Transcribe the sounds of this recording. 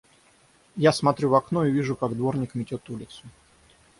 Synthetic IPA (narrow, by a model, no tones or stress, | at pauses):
jasmɐt̪ɾʲuvɐkno̞ɪvʲiʐʊkaɡd̪vo̞rnʲɪkmʲɪtʲo̞t̪ulʲɪt̪sʊ